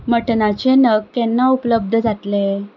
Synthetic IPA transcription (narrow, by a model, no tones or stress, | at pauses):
məʈnat͡ɕenəɡkɛnːaupləb̚d̪ʱəd͡zat̪le